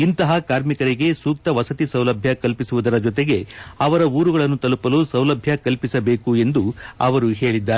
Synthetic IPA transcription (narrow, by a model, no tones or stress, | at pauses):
int̪ɐɦɐkaːɾmikɐɾiɡe̞suːk̚t̪ɐʋɐsɐt̪isɐwlɐbʱjɐkɐlpisuʋud̪ɐɾɐd͡ʒɔt̪̬eɡe̞ɐʋɐɾɐuːɾuɡɐɭɐnːut̪ɐlupɐlusɐwlɐbʱjɐkɐlpisɐbe̞ːkue̞nd̪uɐ̰ʋɐɾuɦe̞ːɭid̪ːaː